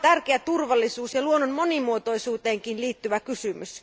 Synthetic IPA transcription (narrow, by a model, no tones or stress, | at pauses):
t̪ærkeæt̪urʋɑlːisuːsjɑluonːonmo̞nimuot̪o̞isuːt̪eːŋkinliːt̪ːyʋækysymys